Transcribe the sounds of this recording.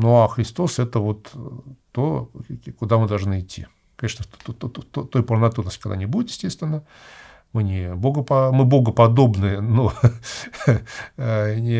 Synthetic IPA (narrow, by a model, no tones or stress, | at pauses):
noaxɾʲɪst̪o̞sɛt̪əvot̪ː | okʊd̪amɨd̪ɐlˠʐnɨɪtʲʰːḭ | kɐneʂnət̪t̪t̪ot̪ojpəɾnɐt̪uəsʲtʲkɐɡd̪a̰nʲɪbudʲɪt̪jɪsʲtʲest̪vʲɪnːə | mɨnʲɪboɡəpɐmɨbo̞ɡəpɐd̪o̞bnɨəno | nʲɪ